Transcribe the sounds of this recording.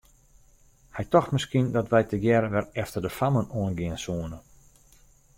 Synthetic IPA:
hɛjtɔxtmɪskindɔtʋɛjtəjɛɾəʋɛrɛftərdəfamənoənɡɪənsuənə

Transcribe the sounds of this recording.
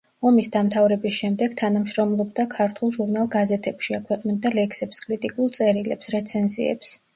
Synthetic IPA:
ɔmisd̪amt̪ʰavɾɛbisʃɛmd̪ɛɡ̥t̪ʰanamʃɾɔmlˠɔbd̪akʰaɾt̪ʰulˠʒuɾnalˠɡazɛt̪ʰɛpʃiakʰwɛqʼnɛb̚d̪alɛksɛpskʼɾit̪ʼikʼulˠt̪sʼɛɾilɛpsɾɛt̪sʰɛnzḭɛ̰ps

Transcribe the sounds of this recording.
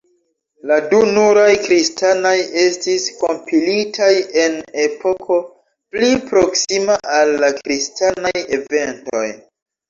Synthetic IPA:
ladunuɾajkɾistano̞je̞stisko̞mpʰilitʰaje̞ne̞po̞kʰo̞ | plipɾo̞ksimaʔalːakɾistanaje̞ve̞nto̞̰j

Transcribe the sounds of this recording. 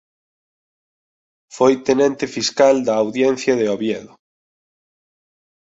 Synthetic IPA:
fojt̪enẽnt̪ɪfiskald̪ɐːwðjɛn̟θjɐðeoβjɛðʊ

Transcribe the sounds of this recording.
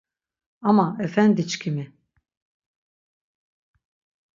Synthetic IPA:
amaɛfɛnd̪it͡ʃkʲʰimi

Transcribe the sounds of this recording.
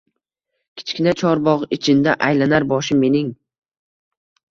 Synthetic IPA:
kʲʰɪ̥t͡ʃkʲɪnat͡ʃʰɒɾbɒʁɪt͡ʃʰɪnd̪aʔajlanaɾbɒʃɪme̞nɪŋ

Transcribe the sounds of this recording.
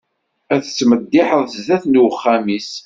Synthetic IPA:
æθt͡sːməd̪ːɪħəðˤθəzðæθnuwəχːæmis

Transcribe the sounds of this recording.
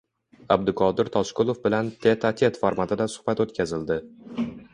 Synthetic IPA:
ab̚d̪ɪkʰɒd̪ɪɾt̪ʰɒʃkʊlˠofbɪlant̪ʰet̪ʰat̪ʲʰe̞t̪faɾmat̪ʰɪd̪asʊ̥hbat̪ot̪kʲazɪld̪ɪ

